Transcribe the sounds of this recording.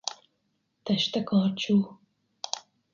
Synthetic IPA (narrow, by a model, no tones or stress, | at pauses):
t̪ʰɐʃt̪ɐkʰɑːɾt͡ʃʰuː